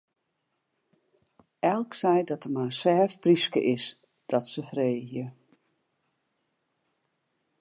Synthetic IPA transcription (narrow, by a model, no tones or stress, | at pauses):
ɛlˠksɛjdɔtəmaəsɛːfpriskə̰ʔɪs | d̥ɔtsəfreːhjə